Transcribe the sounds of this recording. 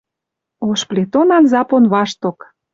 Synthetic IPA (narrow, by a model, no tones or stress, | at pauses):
oʃplet̪onɑnzɑponβɑʃt̪ok